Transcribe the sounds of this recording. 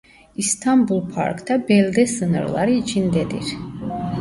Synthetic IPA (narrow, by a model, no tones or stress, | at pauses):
ist̪ʰambulˠpʰa̰ɾkt̪ʰɑbɛlʲd̪ɛsɯnɯ̰ɾlˠɑ̰ɾɯit͡ʃʰind̪ɛd̪ḭɾ